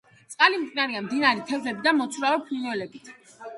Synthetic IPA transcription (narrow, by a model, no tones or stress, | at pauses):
t̪sʼqʼalimt̪inaɾiamd̪inaɾit̪ʰɛvzɛbid̪amɔt̪sʰvɾavɛpʰlinɔlɛbit̪ʰ